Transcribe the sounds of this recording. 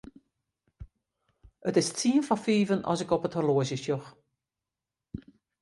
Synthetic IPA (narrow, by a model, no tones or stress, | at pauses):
ətɪstʰiːənfɔfiːvənɔ̰sɪkɔpəthəloəzəʃɔx